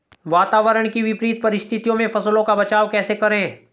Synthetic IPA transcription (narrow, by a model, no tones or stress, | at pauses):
ʋaːt̪aːʋəɾəɳ̃kiʋɪpɾiːt̪̚pɐɾɪst̪ʰɪt̪ijõmẽfʰɐslõkabɐt͡ʃaːʋkɛːsekɐɾẽː